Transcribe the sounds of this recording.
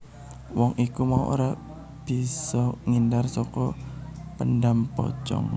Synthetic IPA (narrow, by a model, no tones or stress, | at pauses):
wɔŋikumaṵʔo̰ɾa | b̥i̤sɔŋindarsɔkɔpənɖampɔ̰t͡ʃɔ̰ŋ